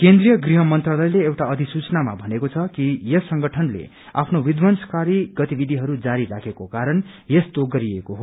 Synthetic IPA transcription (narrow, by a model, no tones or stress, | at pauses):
kend̪rijʌɡriɦʌmʌnt̪ralʌjleewʈaʌd̪ʱisut͡snama̰bʱʌnekot͡sʰʌkijesʌŋɡʌʈʰʌnlḛ | a̰pʰnowid̪wʌnskaɾiɡʌt̪ibid̪ʱiɦʌɾud͡zaɾiɾakʰekokaɾʌn | jest̪oɡʌɾiekoɦo